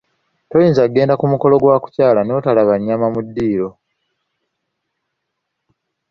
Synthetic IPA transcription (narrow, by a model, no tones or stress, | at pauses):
to̞jiːnzaɡe̞ːndakumuko̞lo̞ɡwaːku̥caːlano̞talaβaɲːamamudːiːɾo̞